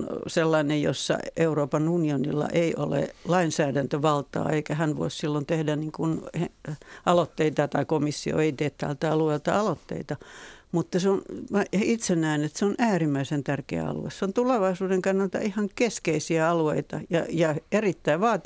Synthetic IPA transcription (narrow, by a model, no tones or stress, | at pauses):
nselːɑinejjo̰sːɑ̰euroːpɑnunionilːɑ̰ʔeiʔo̰lḛlɑinsæːdænt̪øʋɑlt̪ɑ̰ːeikæhænʋo̰issilːont̪ehdæniːŋkunheʔɑlot̪ːeit̪ɑt̪ɑikomisːio̰eit̪eːt̪t̪ælt̪æɑlueilt̪ɑ̰ɑlot̪ːḛit̪ɑmut̪ːɑseonɑit̪senːæːnet̪seonʔæːrimːæisent̪ærkḛæ̰ɑ̰lṵḛsseont̪uleʋɑisuːdeŋkɑnːɑlt̪ɑ̰ʔihɑŋkeskeisiæɑlueit̪ɑjɑ̰jɑerit̪ːæiʋʋɑːt̪